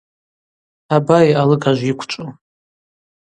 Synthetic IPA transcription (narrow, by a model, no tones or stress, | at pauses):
abajalɨkaʒʷikʷʰt͡ʃʷʼo